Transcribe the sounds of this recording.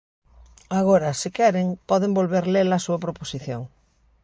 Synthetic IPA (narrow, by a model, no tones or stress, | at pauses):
aɣoɾasikɛɾeŋpɔðembolβeɾlelasuɐpɾoposiθjo̰ŋ